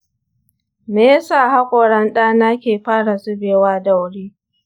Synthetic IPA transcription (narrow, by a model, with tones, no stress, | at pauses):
meː˨˦ja˦saː˦˨ha˦kʷʼoː˨ɽɐ˦nɗaː˦na˦kʲeː˨ɸaː˦ɽa˨sʊ˦beː˨waː˦da˦˨wɽiː˦